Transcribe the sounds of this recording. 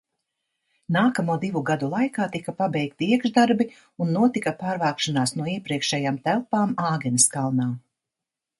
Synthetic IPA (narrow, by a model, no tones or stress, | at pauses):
naːkamuɔd̪ivuɡad̪ulˠajkaːt̪ikapabɛjkt̪iiɛɡʒd̪aɾbi | unːuɔt̪ikapaːɾvaːkʃanaːsnuɔiɛpɾiɛkʃɛjaːmt̪ælˠpaːmaːɡɛniskalˠnaː